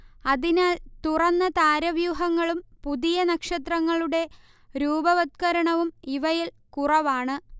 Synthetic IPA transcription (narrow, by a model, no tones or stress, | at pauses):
ɐðinaːlt̪urɐnːɐt̪aːɾɐʋjuːɦɐŋːɐɭumpuðijɐnɐkʂɐt̪rɐŋːɐɭuɽe̞ | ɾuːbɐʋɐt̪̚kɐɾɐɳɐʋumiʋɐjil | kurɐʋaːɳɨ